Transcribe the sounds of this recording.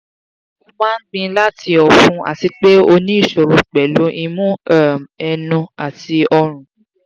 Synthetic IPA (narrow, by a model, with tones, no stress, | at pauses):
o˧mãː˦n̩˦ɡ͡bĩ˧la˦ti˧ɔ˨fũ˧a̰˨ti˧k͡pe˦o˧nĩ˦i˦˨ʃo˨ɾu˨˦k͡pɛ˨lu˨˦ʔi˧mũ˦a˦˨mɛ˧nũ˧a˨ti˧ɔ˧ɾ̃ũ˨